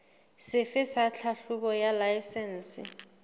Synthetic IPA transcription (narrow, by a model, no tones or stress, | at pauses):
sɪfɪsat͡ɬʰaɬukɔjalajsɛnsɪ̰